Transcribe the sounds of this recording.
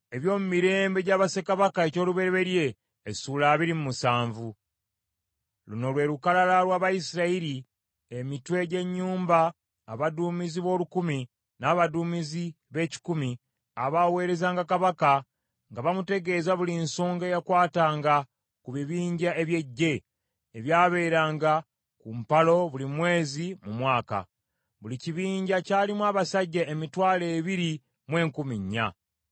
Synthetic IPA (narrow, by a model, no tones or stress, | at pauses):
e̞βjo̞ːmumiɾe̞ːmbe̞ɟaːβase̞kaβakae̞co̞ːluβe̞ɾeβe̞ɾje̞ː | sulaːβiɾimumusaːɱvu | luno̞lwe̞ːɾukalalalwaːβajisiɾaiɾi | emitwe̞ɟe̞ɲːuːmbaː | βaduːmiziβo̞ːlukumi | naːβaduːmizi | βe̞ːci̥kumi | aβawe̞ːɾe̞zaːŋɡakaβaka | ŋɡaβamute̞ɡe̞ːzaβulinsoːŋɡejakwaːtaːŋɡa | kuβiβiːɲɟaeβje̞ɟːe̞ː | βjaːβe̞ːɾaːŋɡa | kumpalo̞βulimwe̞ːzimumwaːka̰ | βuliciβiːɲɟacaːlimwaːβasaɟːaemitwaːle̞ːβiɾi | mwe̞ːŋkumiɲːa̰